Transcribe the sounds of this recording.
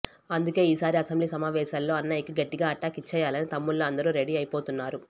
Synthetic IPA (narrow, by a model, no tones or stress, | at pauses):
ɐnd̪uke̞ːiːsaːɾiɐsɐmbliːsɐmaːʋɛːʃaːlːo̞ːɐnːaːjikiɡɐʈːiɡaːɐʈːaːkit͡ʃːɛːjaːlɐnit̪ɐmːuɭːoːɐnd̪ɐɾuːɾeɽiːɐjipo̞ːt̪unːaːɾu